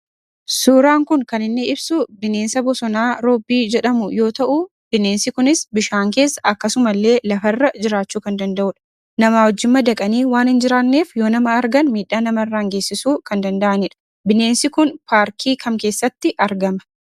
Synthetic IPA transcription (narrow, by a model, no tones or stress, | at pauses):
suːɾaːŋkʊŋkɐnɪnːɪɪbsʊbɪneːnsɐbɔsɔnaːɾoːbːiːd͡ʒɛᶑɐmʊjo̞ːt̪ɐʔʊ | b̥ɪneːnsɪkʊnɪsbɪʃaːŋke̞ːsːɐ̥ʔɐkːɐsʊmɐlːe̞ːlɐfɐrːɐd͡ʒɪɾaːt͡ʃːuːkɐnd̪ɐnd̪ɐʔʊᶑɐ̥ | nɐmaːwɔd͡ʒːɪmːɐd̪ɐkʼɐniːwaːnhɪnd͡ʒɪɾaːnːe̞ːfjo̞ːnɐmɐːɾɡɐnmiːᶑːaːnɐmɐrːaːŋɡe̞ːsːɪsuːkɐnd̪ɐnd̪ɐʔɐnɪᶑɐ̥ | bɪne̞ːnsɪkʊnpaːɾkʰiːkʰɐmke̞ːsːɐt̪ːɪʔɐɾɡɐmɐ̥